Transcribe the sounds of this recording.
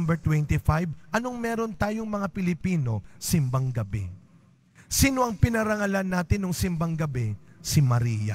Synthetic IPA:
mbɛɹt̪wɛnt̪ifajbʔɐno̞ŋmɛːɾo̞nt̪aːjoŋmɐŋapɪlɪpiːno̞sɪmbɐŋɡɐbɛ̰ | siːnoʔɐŋpɪnɐɾɐŋɐlanːaːt̪ɪnːoŋsɪmbɐŋɡɐbɛsimɐɾiːja̰

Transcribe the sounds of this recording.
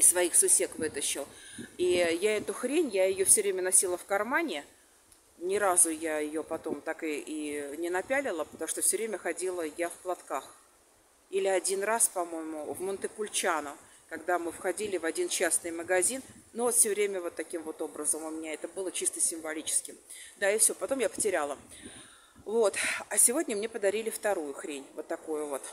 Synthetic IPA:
ɪsːvɐixsʊsʲe̞kvɨt̪əɕːɪlˠijaɛt̪ʊxɾʲenʲjajɪjofsʲɵvɾʲemʲənɐsʲilˠəfkɐrmanʲɪ | nʲɪɾazʊjaɪjopɐt̪o̞mt̪akɨinʲɪnɐpʲælʲɪlˠəpə̥t̪ɐmuʂt̪ofsʲɵvɾʲemʲəxɐdʲilˠəjafplˠɐt̪kax | ilʲɪɐdʲinraspɐmo̞jɪmʊvmʊnt̪əpʊlʲt͡ɕanʊ | kɐɡd̪amɨfxɐdʲilʲɪvɐdʲint͡ɕasnɨjməɡɐzʲinːovot̪fsʲɵvɾʲemʲəvo̞t̪ːɐkʲimvo̞t̪o̞bɾəzəmʊmʲɪnʲaɛt̪əbɨlˠət͡ɕist̪əsʲɪmvɐlʲit͡ɕɪ̥skʲɪm | d̪aɪfsʲopɐt̪o̞mjapə̥tʲɪɾʲalˠə | vo̞t̪ɐsʲɪvo̞dʲnʲəmnʲe̞pəd̪ɐɾʲilʲɪft̪ɐɾujʊxɾʲenʲvo̞t̪ːɐkojʊvo̞t̪

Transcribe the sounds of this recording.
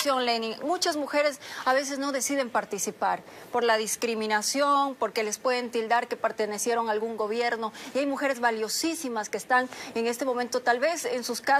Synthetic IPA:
jonlenimut͡ʃazmuxe̞ɾe̞saβe̞s̬e̞zno̞ðe̞siðe̞mpaɾt̪isipaɾ | po̞ɾlaðiskɾimĩnasjo̞npo̞ɾke̞le̞spwe̞ðe̞nt̪ild̪aɾke̞pe̞ɾt̪enesjeɾo̞ŋaːlɣuŋɡo̞βje̞ɾno̞iajmuxe̞ɾe̞zβaljo̞sisimaskeːst̪aŋe̞ŋe̞st̪e̞mo̞mẽnt̪o̞t̪alβesensuska

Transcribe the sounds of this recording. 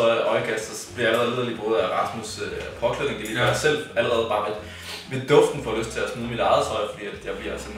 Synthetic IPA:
ɒʔɒ̽ɪɡ̥ʰæsd̥ɐsb̥ejlɐlið̰ˠɐlib̥ʰʁɔːð̩ˠæʁɑ̈smusøpʰɒ̽kʰlne̝ŋd̥elidɑsel̰æləʁɛːð̞̩ˠb̥ɑ̈æd̥ | ʋe̝d̥ɔ̽fd̥n̩fɒløsd̥̚t͡sʰe̝æsmuːð̩ˠmid̥ɑ̈ɪðˠt͡sʰɒɪfɒd̥ḭːæd̥jɑ̈ɪb̥iɐælsəm

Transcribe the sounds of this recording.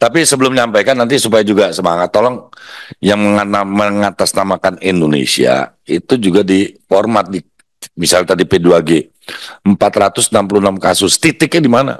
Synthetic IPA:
t̪apisəbəlʊmɲampajkanːant̪̬isupajad͡ʒuɡasəmaŋat̪ːolɔŋjaŋməŋanməŋat̪asnamakanindonḛsḭa̰ | it̪ud͡ʒuɡadifɔrmat̪̚di | misalt̪adipəduaɡe | əmpat̪ɾat̪ʊsnampuluhnamkasʊst̪it̪ɪkadimana̰

